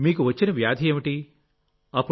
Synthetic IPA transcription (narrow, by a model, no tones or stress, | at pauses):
miːkuʋɐt͡ʃːinɐʋjaːd̪ʱieːmiʈi | ɐpːu